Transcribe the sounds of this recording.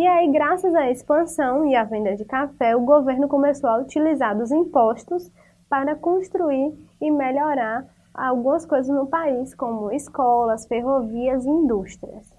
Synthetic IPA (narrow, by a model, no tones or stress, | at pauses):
iaiɡɾasɐzɐispɐ̃sɐ̃w̃iɐvẽnd̪ɐd͡ʒɪkafɛʊɡoveɾnʊkõmesowɐut͡ʃilizaɾd̪ʊzĩpɔʃt̪ʊs | paɾɐkõst̪ɾuiɾɪmeʎɔɾaɾ | a̰wɡũɐskojzɐznʊpaiskõmʊiskɔlɐsfeɦoviɐziĩnd̪uʃt̪ɾiɐ̰s